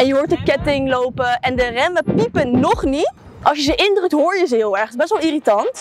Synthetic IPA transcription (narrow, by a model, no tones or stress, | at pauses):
ɛnjəɦʊːɹt̚əkɛtɪŋlowpəɛndərɛməpipənːɔχnit | ʔɑʃəzəʔɪndrɵk̚tɦʊːɹjəzəɦɪːlˠɛɹχɪzbɛsʋɛlˠiritɑnt